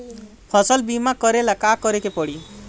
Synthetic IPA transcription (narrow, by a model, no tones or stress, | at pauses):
pʰɔsəlbimakɔɾelakakɔɾekepɔɽi